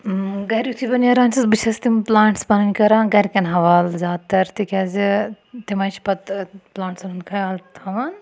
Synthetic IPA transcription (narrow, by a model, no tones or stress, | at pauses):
ɡɐɾut̪ʰibɐnjɐɾaːnʲsɨsbɨt͡ʃʰɐst̪implaːɳʈsbɐnɐnʲkɐɾãːɡɐɾʲkʲɐnɦɐʋaːlzʲaːd̪̚t̪ɐɾt̪ikʲaːzi | t̪imɐt͡ʃpɐt̪plaːɳʈsɐnunkʰɐjaːlt̪ʰɐʋan